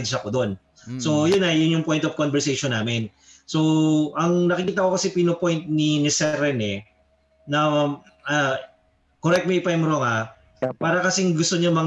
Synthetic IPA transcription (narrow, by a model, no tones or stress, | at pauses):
d̪ʃɐkod̪o̞n | so̞jʊnɐjʊnjʊŋpo̞jnt̪ov̥konbɛɹsejʃonːaːmɪn | so̞ʔɐŋnɐkɪkiːt̪̬ɐkokɐsɛpinopo̞jnt̪̚ninɪsɛɾɛnɛ | nɐ | koɾɛk̚t̪mɛpajmɾoŋɐ | paːɾɐkɐsiŋɡʊst̪oɲamɐŋ